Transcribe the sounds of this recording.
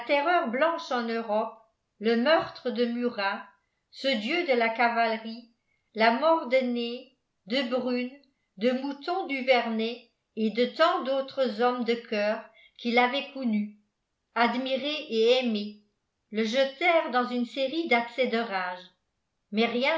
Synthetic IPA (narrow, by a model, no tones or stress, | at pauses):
lat̪ɛʁœːʁblɑ̃ʃɑ̃nøʁɔp̚ | ləmœʁt̪χəd̪əmyʁa | səd̪jød̪əlakavalʁi | lamɔʁd̪əne | d̪əbʁyn | d̪əmut̪ɔ̃d̪yvɛʁnɛ | ed̪ət̪ɑ̃d̪ot̪χəzɔmd̪əkʰœːʁ | kʰilavɛkuny | ad̪miʁeʔeɛme | ləʒət̪ɛːʁd̪ɑ̃zynseʁid̪aksɛd̪əʁaːʒ | mɛʁjɛ̃